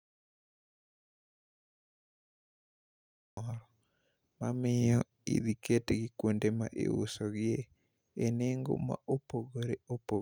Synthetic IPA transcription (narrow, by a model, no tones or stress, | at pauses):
ɔɾɔ | mamɪjjɔ | ḭd̪iketeɡɪkwondema̰ʔḛṵsɔɡɪe | eneŋɡo̰ma̰ʔopoɡoɾeopo